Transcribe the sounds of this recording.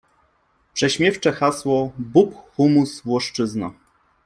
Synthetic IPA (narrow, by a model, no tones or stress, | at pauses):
pʂɛɕmʲjɛft͡ʂɛxaswɔbupxumusvwɔʂt͡ʂɘzna